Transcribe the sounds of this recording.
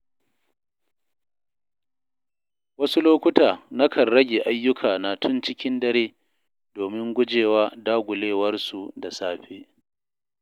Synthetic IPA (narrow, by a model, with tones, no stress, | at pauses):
wɐ˦su˦loː˦kʷʊ˦taː˨na˦kʰɐ˨nɾɐ˦ɡʲeː˨ʔa˦jːʊ˦kʰaː˨na˨tʰʊ˦nt͡ʃɪ˦kʲɪ˦ndɐ˦ɾeː˦ | doː˨mɪ˦ŋɡʷʊ˦d͡ʒeː˨waː˦daː˦ɡʷʊ˨leː˦wɐ˦rsu˨da˨saː˦ɸeː˦